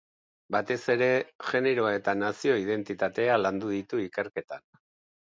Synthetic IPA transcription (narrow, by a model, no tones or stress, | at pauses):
bat̪e̞se̞ɾe̞ʝe̞ne̞ɾo̞ae̞t̪anasio̞ið̞e̞nt̪it̪at̪e̞aland̪uðit̪uike̞ɾke̞t̪an